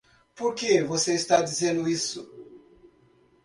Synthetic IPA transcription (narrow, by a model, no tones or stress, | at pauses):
poɾkevoseist̪ad͡ʒizẽnd̪ʊisʊ